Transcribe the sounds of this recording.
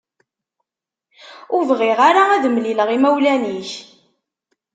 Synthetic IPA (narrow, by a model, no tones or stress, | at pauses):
ʊɾvʁɪʁaɾaæðəmliləʁimæwlæniç